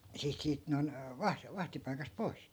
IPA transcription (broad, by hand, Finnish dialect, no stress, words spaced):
siːt siːt noi̯n ʋɑh ʋɑhtipɑikɑst poi̯s